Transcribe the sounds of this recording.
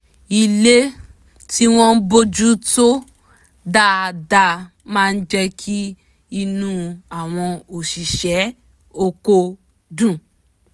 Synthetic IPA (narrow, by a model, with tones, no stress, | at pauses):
i˨le˦ | ti˦w̃ɔ̃˦n̩˦bo˧d͡ʒu˦to˦ | da˦˨˧da˧ | mãː˦˧n̩˦d͡ʒɛ˦kʰi˦ | i˧nũ˦a˨w̃ɔ̃˧o˨ʃi˨ʃɛ˨˦ | o˧ko˧ | dũ˨